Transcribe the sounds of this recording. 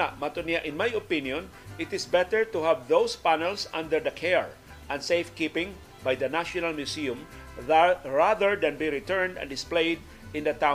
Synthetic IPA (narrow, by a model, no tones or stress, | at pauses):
amat̪oniaʔɪ̃nmajopɪ̃njɔ̃n | ʔɪt̪ɪsbɛt̪ɛɹt̪uhavðowspanɛlsãnd̪əɹd̪ɐkʰɛɹ | ʔɐ̃nsejfkipɪ̃ŋ | bajd̪ɐnaʃɔnalmjusiʊ̃m | ɹaðəɹd̪ãnbiɹɪt̪ɛɹnd̪ɐ̰̃nd̪ɪsplejd̪̚ | ɪ̃nd̪ɐt̪ã